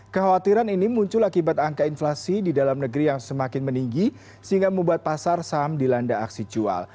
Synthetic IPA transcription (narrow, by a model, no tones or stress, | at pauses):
kəhawat̪iɾaninimuɲt͡ʃʊlakibat̪aŋkainflasididalamnəɡɾijaŋsəmakɪnməniŋɡi | səiŋɡaməmbuat̪̚pasarsamdilandaːksid͡ʒua̰l